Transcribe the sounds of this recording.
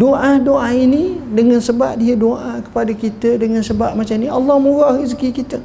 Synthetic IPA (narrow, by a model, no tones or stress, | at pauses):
doʔadoʔainĩdəŋansəba̰ʔ̚diədoʔakə̥padakit̪ədəŋansəbaʔ̚mat͡ʃamniʔɑlːɑhmuɣaɣisəkikit̪ə